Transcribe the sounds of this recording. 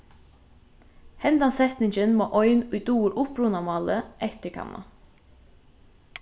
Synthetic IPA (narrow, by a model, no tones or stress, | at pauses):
hɛnd̪ansɛt̪nɪŋçənmoːʔɔʏnujd̪uːɾʊpɾunamɑːləʔɛht̪əkʰa̰mʔa̰